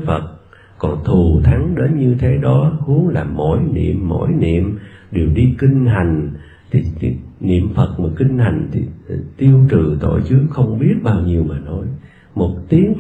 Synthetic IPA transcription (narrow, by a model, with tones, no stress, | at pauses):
fə˨˩t̚ | kɔ˨˩nt̪ʰu˨˩t̪ʰa˨˦ŋɗe˨˦nɲɨ˧t̪ʰe˨˦ɗɔ˨˦hu˨˦ənlaː˨˩mo̰˧˩jnḭ˧˨əmːo̰˧˥jnḭ˧˨əmɗe˨˩əwɗi˧ki˧ŋ̟ɦa˨˩jŋ̟ | t̪ʰi˨˩˨nḭ˧˨əmfə˨˩t̚maː˨˩ki˧ŋ̟ha˨˩jŋ̟t̪ʰḭ˨˩t̪i˧əwt͡ɕɨ˨˩t̪o̰˧˨jt͡ɕɨ˨˦əxə˧wŋ͡mɓi˦˥ət̚ɓaː˧wɲi˧əwmaː˨˩nɔ˨˦j | mo˨˩t̚t̪i˨˦əŋ